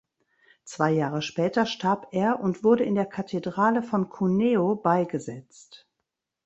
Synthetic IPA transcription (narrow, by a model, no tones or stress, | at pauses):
t͡sv̥aɪjaːʁ̞əʃpɛːtɐʃtʰaɐpeːɐʔʊntv̥ʊɐdəɪndeːɐkʰatʰedʁaːləfɔnkʰuneːobaɪɡəzɛt͡st